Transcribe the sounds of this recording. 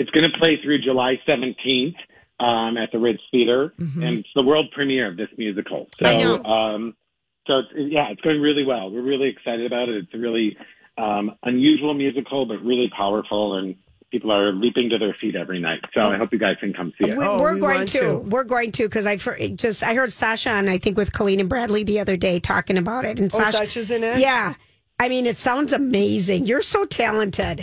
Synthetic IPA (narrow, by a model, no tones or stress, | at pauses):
ɨtsɡ̥ʌñɨpʰl̥eɪθɹʉd͡ʒɨlaɪsɛvɨ̃ntʰĩnθ | ʌ̃mɨt̪̚ðɨɹɪdsiɾə˞ɨ̃nɨtsðəwɜ˞lˠd̚pʰɹ̥ɨmiɨɹʌvðɪsmjʉzɨkʰl̩ˠsoʊʌ̃m | soʊɨtsɪjæɨtsɡ̥oʊɪ̃ŋɹɪlˠiwɛlˠwɪɹɹɪlˠiɨksaɪɾɨɾɨbaʊɾɨɾɨtsɹɪlˠi | ʌ̃mʔə̃njʉʒwl̩ˠmjʉzɨkʰl̩ˠbʌt̚ɹɪlˠipʰaʊə˞fl̩ˠə̃n | pʰipl̩ˠə˞lipɪ̃ŋtɨðə˞fiɾɛvɹina̰ɪtsoʊaɪɦoʊpjɨɡaɪz̥kʰɨ̃n̩kʰʌ̃msiwwɪɹɡoʊɪ̃tʰɨwɪɹɡoʊɪ̃ŋtʰɨkʰʌzaɪ̥˞ʔd͡ʒʌstaɪɦɜ˞d̥sæʃɑ̃naɪθɪ̃ŋkwɨð̥kʰəlˠĩnɨ̃nbɹædˡliðiʌðə˞deɪtʰɔ̰kɪ̃ŋɨbaʊɾɪtɨ̃n̩sæʌt͡ʃɨzɨ̃nɪtjæ | aɪmĩnɨtsãʊ̃ndzɨmeɪzɪ̃ŋjə˞soʊtʰælˠə̃ntʰɪd̥